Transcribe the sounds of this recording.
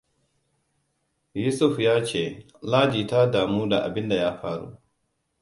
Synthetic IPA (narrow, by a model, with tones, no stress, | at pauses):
juː˦sʊ˦ɸjaː˦t͡ʃeː˦˨ | laː˦d͡ʒiː˨ta˦daː˨muː˦da˨ʔa̰˨bɪ˦nda˨jaː˦ɸaː˦ɽṵ˦